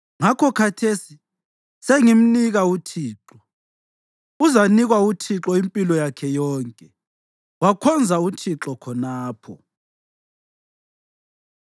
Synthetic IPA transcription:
ŋakʰɔkʰatʰesi | seŋim̩niɣautʰiːǁɔ | uzaniɣwautʰiǁɔimpʼilɔjakʰɛjɔːŋkʼɛ | wakʰɔnd͡zʱautʰiǁɔkʰɔnaːpʰɔ

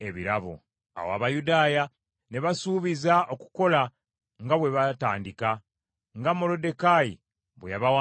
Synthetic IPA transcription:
e̞βiɾaβo̰ | a̰wa̰βajudaːja | ne̞βasuːβizao̞ku̥ko̞la | ŋɡaβwe̞βataːndika | ŋɡamolo̞de̞kajḭ | βwḛjaβawa

